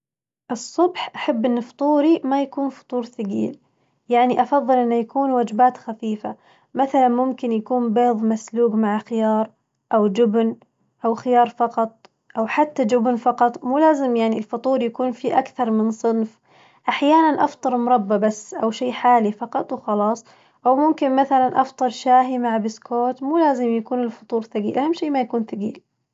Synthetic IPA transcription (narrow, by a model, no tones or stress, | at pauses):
ʔɨsˤːʊbħʔaħabːʔɪnːʊft̪ˤuːɾimajakuːnfʊ̥t̪ˤuːɾθaɡiːl | jaʕniʔɑfɑðˤːɨlʔɪnːʊjakuːnwaːd͡ʒbaːt̪xafiːfa | maθalanmʊmkɪnjakuːnbeːðˤmasluːɡmaʕaxɪjɑːɾˤ | ʔawd͡ʒʊbn | ʔawxɪjɑːɾˤfɑqɑt̪̚ˤ | ʔawħat̪ːad͡ʒʊbnfɑqɑt̪ˤmuːlaːzɪmjaʕnilfʊt̪ˤuːɾˤjakuːnfiʔakθɑɾˤmɪnsˤɨnf | ʔaħjaːnanʔɑft̪ˤɑɾˤmʊɾˤɑbːabasːʔawʃiːħaːlifɑqɑt̪ˤwxɑlɑːsˤ | ʔawmʊmkɪnmaθalanʔɑft̪ˤɨɾˤʃaːɦimaʕabɪskʰoːt̪muːlaːzɪmjakuːnɪlfʊ̥t̪ˤuːɾθaɡiːlʔahamːʃiːmajakuːnθaɡiːl